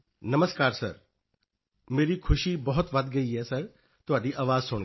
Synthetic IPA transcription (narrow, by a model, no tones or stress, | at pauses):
nɐməskaːɾsɐ̰ɾ | meːɾikʰʊʃibɐɦʊt̪ʋɐd̪ɡɐiɦɛːsɐɾ | t̪ʊʋaːɖiʔaːʋaːzsʊːñ